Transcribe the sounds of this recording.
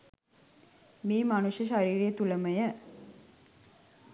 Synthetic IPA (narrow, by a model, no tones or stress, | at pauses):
miːmɐnuʃjɐʃaɾiːɾijət̪ulɐməjə